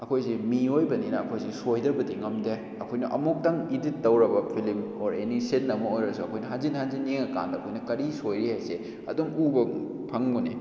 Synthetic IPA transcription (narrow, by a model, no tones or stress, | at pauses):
ɐkʰojsimiojbɐninɐɐkʰojsisojdɐbɐdiŋɐmde | ɐkʰojnɐʔɐmok̚tɐŋidit̚ːɐwɾɐbɐpʰilimoɾenisenːɐmɐojɾɐsuɐkʰojnɐɦanzinhanzineŋɐka̰ndɐkʰojnɐkɐɾisojɾihajse | ɐ̰dumubɐ | pʰɐŋbunḭ